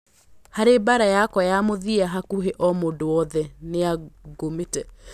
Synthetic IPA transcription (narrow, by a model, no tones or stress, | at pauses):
haɾebaɾajakɔjamoðiaɦakuɦeʔɔmoːndoɔðɛneaɡometɛ